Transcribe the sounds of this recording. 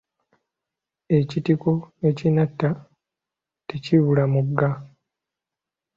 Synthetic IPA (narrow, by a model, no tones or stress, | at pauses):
e̞citiko̞ecinatːa | teciβulamuɡːa